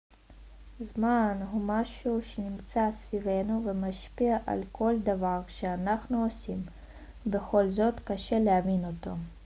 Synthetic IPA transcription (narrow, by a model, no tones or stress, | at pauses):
zmanɦumaʃuʃenimt͡sasvivenuvemaʃpiaʔa̰lkʰo̞ld̪avaʁʃeanaχnuosim | be̞χo̞lzo̞t̪kaʃe̞leavino̞t̪o̞